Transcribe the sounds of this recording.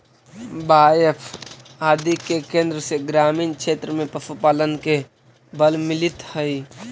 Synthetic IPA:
baːjepʰ | aːd̪ikekẽːnd̪ɾəseɡɾaːmiːnkʃʰeːt̪ɾəmẽpəsupaːlənke | bəlmɪlɪt̪həi

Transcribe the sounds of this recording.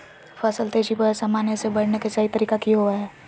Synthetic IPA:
fʰɐsəlt̪eːʃipəsɐmaːnesebɐɽnekesaːit̪əɾiːkakiɦoaɦɛː

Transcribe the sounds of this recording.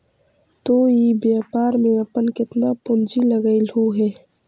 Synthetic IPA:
t̪oːibjaːpaːɾmẽɐpənkɪt̪napʊnd͡ʒilɐɡəɪluːɦɛː

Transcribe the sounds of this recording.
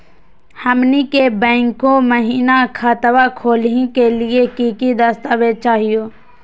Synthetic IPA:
həmnikebɛ̃ːŋkõməɦiːnakʰaːt̪əwakʰoːlĩkeliekiːkid̪ast̪aːʋet͡ʃaːɦijoː

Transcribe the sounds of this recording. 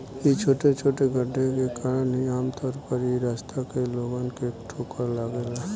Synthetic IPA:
jit͡ʃʰoːʈet͡ʃʰoːʈeɡʱəɖʱekekaːɾənɦiaːmt̪ʰɔːɾpəɾjiɾaːst̪ʰakeloːɡankeʈʰoːkəɾlaːɡela

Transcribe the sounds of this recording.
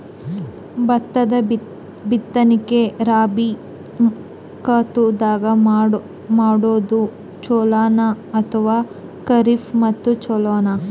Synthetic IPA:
bɐt̪ːɐd̪ɐ | bit̪ːɐnikeɾaːbi | kaːt̪ud̪aːɡɐ | maːɽoːd̪u | t͡ʃoːlaːna | ɐt̪ʰɐʋaː | kɐɾifmɐt̪ːut͡ʃoloːna

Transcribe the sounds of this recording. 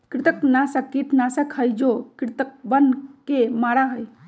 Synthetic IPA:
kɾit̪əknasəkːiʈ̪nasəkʰəjd͡ʒokɾit̪ək̚bənkemaɾaɦəj

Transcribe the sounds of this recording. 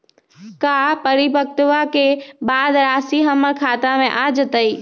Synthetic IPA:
kapəɾɪbək̚t̪ʋakebaːd̪ɾaːsiɦəməɾkʰaːt̪amẽʔad͡ʒət̪əi

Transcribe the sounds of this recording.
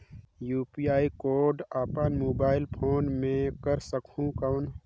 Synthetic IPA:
juːpiaːikoːɾɖaːpənmoːbaːɪlpʰoːnmẽkəɾsəkũkawn

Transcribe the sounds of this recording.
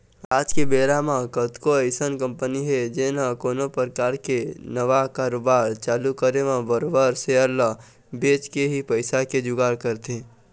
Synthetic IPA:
aːd͡ʒkebeːɾamãkət̪koeɪsənkə̃mpəniɦɛd͡ʒeːnakoːnopəɾkaːɾkenəʋakaːɾoːbaːɾt͡ʃaːlukəɾemãbəɾobaːɾseəɾla | beːt͡ʃkeɦipəɪsaked͡ʒʊɡaːɾkəɾt̪ẽː

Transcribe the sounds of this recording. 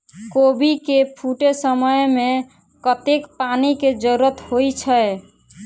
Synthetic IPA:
kobikepʰuʈesəməjme | kət̪ekpaniked͡ʒəɾuɾət̪hojt͡ʃʰə

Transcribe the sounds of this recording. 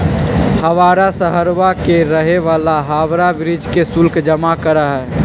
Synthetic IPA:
həʋaːɾasəɦəɾʋakeɾəɦeʋaːlaɦaːʋɾabɾɪd͡ʒkesʊlkd͡ʒəmakəɾaɦɛː

